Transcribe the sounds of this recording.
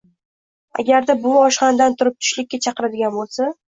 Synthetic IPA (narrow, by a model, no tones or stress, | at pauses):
a̰ɡʲaɾd̪abʊɒʃqɑnd̪ant̪ʰʊɾɪp̚t̪ʰʊ̥ʃlɪkʲːat͡ʃʰɑqɨɾad̪ɪɡʲanbolˠsa